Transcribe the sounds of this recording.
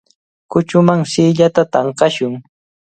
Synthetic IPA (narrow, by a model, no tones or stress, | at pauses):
kʊt͡ʃʊmaŋsɪːʎat̪at̪ɑɴqɑʃʊŋ